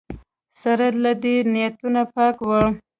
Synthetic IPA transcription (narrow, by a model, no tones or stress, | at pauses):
saɾad̪lad̪enɪjat̪unapɑkwə